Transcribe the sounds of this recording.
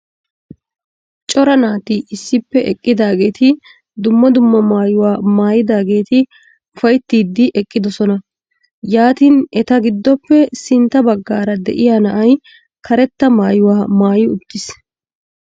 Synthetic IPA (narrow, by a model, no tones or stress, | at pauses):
t͡ʃʼɔɾɐnaːt̪ɪʔɪsːɪpːɛʔɛkʼːɪd̪aːɡe̞ːt̪ɪ | d̪ʊmːɐd̪ʊmːɐmaːjʊwaːmaːjɪd̪aːɡe̞ːt̪ɪ | ʊfɐjt̪ːiːd̪ːɪʔɛkʼːɪd̪ɔsɔnɐ | jaːt̪iːnɛt̪ɐɡɪd̪ːɔpːɛsɪnt̪ːɐbɐɡːaːɾɐd̪ɛ̰ʔɪjaːnɐʔɐj | kʰɐɾɛt̪ːɐmaːjʊwaːmaːjɪʊd̪ːɪs